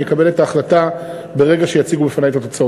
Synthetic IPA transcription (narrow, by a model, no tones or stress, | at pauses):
jekabe̞le̞taːχlata | be̞ʁe̞ɡaʃejat͡siɡubefanajet̪ato̞t͡sao